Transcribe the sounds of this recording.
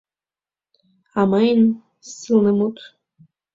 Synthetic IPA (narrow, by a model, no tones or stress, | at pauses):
amajnʲ | silˠnəmut̪